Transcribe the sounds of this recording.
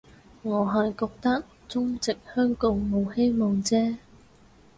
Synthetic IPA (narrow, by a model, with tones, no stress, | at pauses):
ŋɔː˨˧ɦɐ˨jkɔː˧k̚t̪ɐ˥k̚ | t͡sʊ˥ŋt͡sɪ˨k̚hœː˥ŋkʊ˨˧ŋmo˨˧whe˥jmɔː˨˩ŋt͡sɛː˥